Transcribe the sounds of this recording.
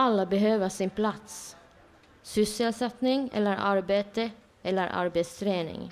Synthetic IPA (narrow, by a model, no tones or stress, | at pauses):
ɑlːəbəɦøːʋəsɪnpʰlɑt̪s | sʏsɛlsɛt̪nɪŋɛ̰lːəɾʔɑɾbeːt̪ə | ɛlːəɾʔɑ̰ɾbeɪt̪st̪ʰɾeːnɪ̰ŋ